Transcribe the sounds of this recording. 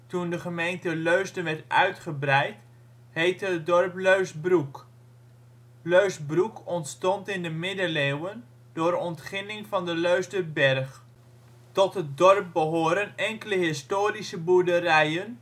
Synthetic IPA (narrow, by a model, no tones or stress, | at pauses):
tundəχəmejntəløɥstənʋɛɹtœ̰ɥtχəbrɛjt | hejtət̚dɔrpløɥsbruk | løɥsbrukɔntstɔntɪndəmɪdəlewən | dʊːɾɔntχɪnɪŋvɑndəløɥstəbɛrχ | tɔtɦət̚dɔrp̚bəɦoːɾənɛŋkələɦɪstoːrisəbudərɛjən